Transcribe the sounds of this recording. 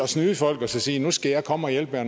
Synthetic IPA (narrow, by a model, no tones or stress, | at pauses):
ɒ̽snyːfɒ̽l̰ɡ̥ɒsɒsiːnusɡ̥æjɑ̈ɪkʰɒ̽məɒ̽jelb̥ɐn